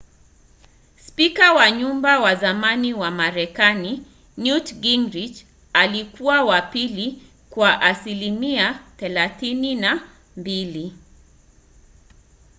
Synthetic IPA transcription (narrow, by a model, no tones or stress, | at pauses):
spikawaɲumbawazamaniwamaɾɛkani | njutɡiŋɡɾid͡ʒ | alikuwawapili | kwaʔasilimiaθɛlaθinina | mbili